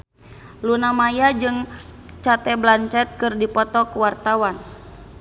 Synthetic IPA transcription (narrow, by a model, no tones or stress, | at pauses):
lunamajad͡ʒɨŋ | t͡ʃat̪ɛblant͡ʃɛt̪̚kɨrdipɔt̪ɔkuwart̪awan